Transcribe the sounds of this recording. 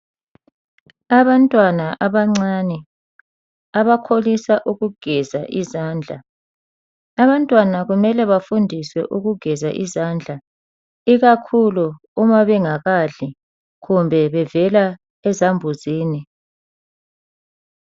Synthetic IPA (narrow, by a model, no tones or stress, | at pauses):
aβantʼwanaʔaβaŋ͡ǀaːnɛ | aβakʰolisaʔuɣuɡ̥ʱɛzaʔizaːnd͡ɮʱa̰ | aβantʼwanaɣumɛlɛβafundʱiswɛ̰ʔuɣuɡ̥ʱɛza̰ʔizand͡ɮʱa | iɣakʰulu | umaβɛŋaɣaɮi | ɣumbʱɛβɛvɛla | ɛzambʱuziːni